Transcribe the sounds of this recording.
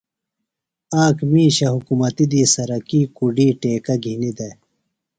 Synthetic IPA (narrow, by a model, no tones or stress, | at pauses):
aːkʰmiːɕɐɦukumɐt̪id̪iːsɐɾɐkiːkuɖiːʈeːkɐɡʱinid̪e